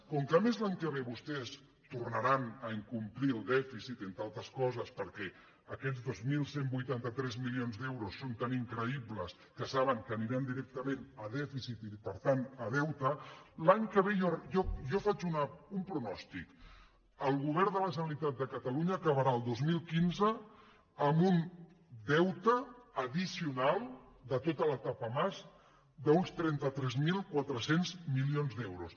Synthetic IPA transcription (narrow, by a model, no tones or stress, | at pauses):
kɔŋkəmɛzlaɲkəβeβust̪ɛs | t̪urnəɾanəəŋkumpliəlˠd̪ɛfisit̪ent̪alˠt̪əskɔzəspəɾkɛ | əkɛzðozmilˠsembujt̪ant̪ət̪ɾɛzmilionzd̪ɛwɾusːont̪aniŋkɾəiβləs | kəsaβəŋkəniɾand̪iɾɛk̚t̪əmẽnəðɛfisit̪ipəɾt̪anəðɛwt̪əlaɲkəβeɔjɔʒɔfat͡ʃunəumpɾunɔst̪ik | əlˠɣuβ̞ɛɾd̪ələʒənəlit̪at̪̚d̪əkət̪əluɲəːkəβəɾaəlˠd̪ozmilˠkinzəː | mbun | d̪ɛwt̪əːðisiunalˠ | d̪ət̪ot̪ələt̪apəmaz | d̪əunst̪ɾɛnt̪ət̪ɾɛzmilˠkwat̪ɾəsenzmilionzd̪ɛwɾus